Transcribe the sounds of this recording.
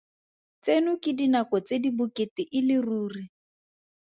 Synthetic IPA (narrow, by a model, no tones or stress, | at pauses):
t͡senʊkɪdinakɔt͡sedibʊketɪʔɪlɪruːri